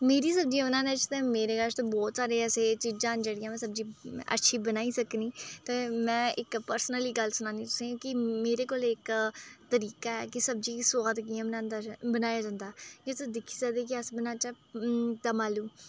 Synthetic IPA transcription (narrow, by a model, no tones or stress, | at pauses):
meːɾiːsəb̚d͡ʒiãbnãːnet͡ʃt̪ẽːmeːɾeːɡaʃt̪õːbɔːt̪saːɾeːɛːseːt͡ʃid͡ʒãːnd͡ʒeːɽɪjãːmɛ̃ːsəb̚d͡ʒiːə̰tːʃʰiːbənaːiːsəkniːt̪eːmɛ̃ːɪkpəɾsənəliːɡəlsʊnãːnd̪iːt̪ʊ̥sẽːkɪmeːɾeːkoːleɪkt̪əɾiːkaːɛ̰ːkɪsəb̚d͡ʒiːksoaːd̪ək̬ijãːbənãːnd̪aːbənaːjaːd͡ʒãːnd̪aːd͡ʒet̪d̪ɪkʰːiːd͡ʒaːd̪eːk̬ɪəsbənãːt͡ʃa | t̪aːmaːlũː